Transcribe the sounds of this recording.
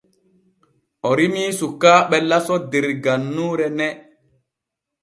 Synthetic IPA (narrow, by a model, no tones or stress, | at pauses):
ʔɔɾimiːsukːaːɓɛlasɔdeɾɡanːuːɾɛnɛ